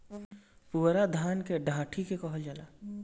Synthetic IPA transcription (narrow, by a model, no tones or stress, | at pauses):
puːɾad̪ʱaːnkeɖʱãːʈʰikekɔɦəld͡ʒəla